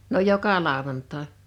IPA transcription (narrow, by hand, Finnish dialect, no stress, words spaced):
no jokɑ lɑˑowɑntɑˑe